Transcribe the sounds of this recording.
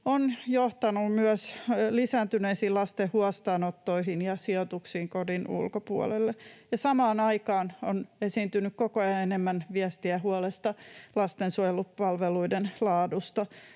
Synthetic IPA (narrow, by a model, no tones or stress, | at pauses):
onjoht̪ɑnumyœslisæːnt̪yneisiːlɑst̪ehhuɑst̪ɑːnot̪ːoihinjɑsiot̪uksiːŋkodinṵlkopuɔ̰lelːejɑsɑmɑːnɑikɑːnonesiːnt̪ynykkokojɑnenemːænʋiæst̪iæhuɔlest̪ɑlɑst̪ensuojelupɑlʋeluidenlɑːdust̪ɑ